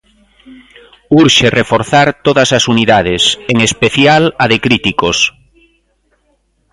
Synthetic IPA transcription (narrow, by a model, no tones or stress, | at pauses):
uɾʃerefoɾθaɾt̪oðasasuniðað̞eseŋespeθjalaðekɾit̪ikos